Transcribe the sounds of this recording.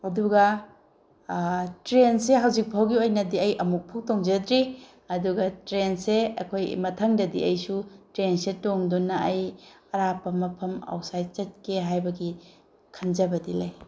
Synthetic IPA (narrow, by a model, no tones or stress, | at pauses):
ɐduɡɐ | tɾenseɦawzik̚pʰawɡiojnɐdiɐjʔɐmuk̚pʰuk̚toŋd͡ʒɐdɾi | ɐduɡɐtɾenseɐ̰kʰojmɐtʰɐŋdɐdiʔɐjsutɾensetoŋdunɐɐjɐɾapʰɐmːɐpʰɐma̰wsajt͡ʃɐt̚kʰeɦajbɐɡi | kʰɐnd͡ʒɐbɐdilɐj